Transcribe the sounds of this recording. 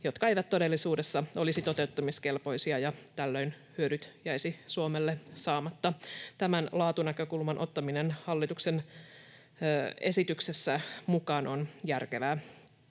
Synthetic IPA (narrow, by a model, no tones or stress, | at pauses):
jo̞t̪kɑejʋæt̪t̪o̞de̞lːisuːde̞sːɑo̞lisit̪o̞t̪e̞ut̪ːɑmiske̞lpo̞jsiɑjɑt̪ælːø̞in | hyødyt̪jæjsisuomelːesɑːmɑt̪ːɑt̪æmænlɑːt̪unækø̞kulmɑnʔo̞t̪ːɑminenhɑlːit̪uksen | e̞̰sit̪ykse̞sːæmukɑːnʔo̞njærke̞ʋæː